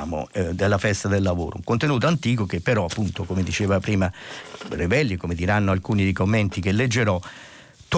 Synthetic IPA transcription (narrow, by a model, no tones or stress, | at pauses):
mo̰d̪elːafɛst̪ad̪elːavo̰ːɾo̰ṵŋkont̪enuːt̪oant̪iːkok̟epːeɾɔapːunt̪okomed̪it͡ʃeːvapɾiːmaɾebɛlːikomed̪iɾanːoalkuːnid̪ejkomːent̪ik̟elːed͡ʒːeɾɔ | t̪